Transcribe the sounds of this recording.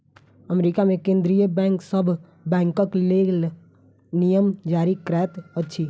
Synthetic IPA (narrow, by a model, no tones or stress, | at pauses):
əmɾikamẽkẽːnd̪ɾijəbɛ̃ːŋksəbʱ | bɛ̃ːŋkə̃kleːl | nijəmd͡ʒaːɾikɾɛːt̪ətːʃʰi